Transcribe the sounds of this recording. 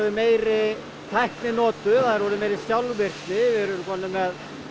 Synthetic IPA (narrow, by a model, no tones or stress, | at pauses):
ðʏmeːjɾɪ | t̪ʰajhknɪnɔːt̪ʏθaðɪɾvɔːɾʏmeːjɾɪsjawlvɪr̥k̪nɪvɪɾʏɾkʰɔːnːɪmɛð